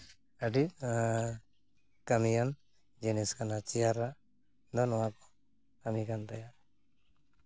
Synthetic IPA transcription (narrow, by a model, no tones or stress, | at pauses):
əɖi | kamijan | d͡ʒeniskanat͡ʃijaɾːaʔ | d̪ɔnɔwakɔ̥ | kamikant̪aja